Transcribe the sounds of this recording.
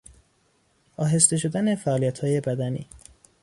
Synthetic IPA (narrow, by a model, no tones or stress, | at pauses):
ʔɒːɦe̞st̪e̞ʃo̞d̪æne̞fæʔʔːlijæt̪hɒːje̞bæd̪ænḭː